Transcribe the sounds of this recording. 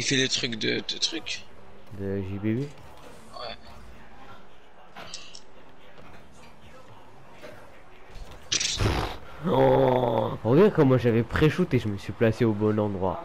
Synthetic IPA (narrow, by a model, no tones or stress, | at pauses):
ifɛlət̪χykd̪əd̪̥ət̪χyk | d̪əʒibee | wɛ | ɔ̃ʁəɡakɑ̃mwaʒavɛpχeʃut̪eʒəməsɥiplaseobɔnɑ̃d̪ʁwa̰